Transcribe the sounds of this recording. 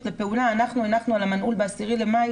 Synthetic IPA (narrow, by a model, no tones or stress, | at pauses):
lepe̞ulaːnaχnuenaχnualamanhulbeasiʁile̞maj